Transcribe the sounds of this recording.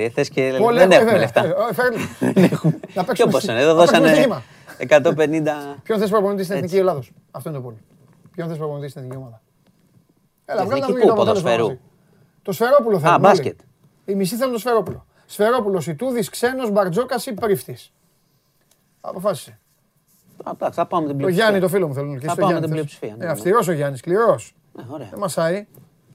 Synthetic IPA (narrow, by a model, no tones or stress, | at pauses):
θesceoleeeveleft̪ɐfeɾlnexumnɐpeksomossɐneðoðosekɐmnsimɐ | ekɐt̪openind̪ɐpçoθes̬pɾoponot̪ist̪ineθniciolɐðos | ɐft̪oint̪ooli | pçonθespɾopont̪ist̪ineθniciomɐðɐ | elɐvɣɐinɐt̪ɐp̪t̪os̬peɾu | t̪o̞sfe̞ɾo̞puloθelsiet̪ | imist̪iθeunt̪osfe̞ɾo̞pulo | sfe̞ɾo̞pulo̞sit̪uðiskse̞no̞zbɐɾd͡zo̞kɐsipɾift̪is | ɐ̰po̞fɐsi̥se | ɐɐpɐmet̪ib̪oʝɐnit̪ofilomuθelunulçist̪oʝɐnlipsi̥fiɐneɐfst̪iɾo̞s̬oʝɐniskliɾo̞s | ɾðemɐsɐi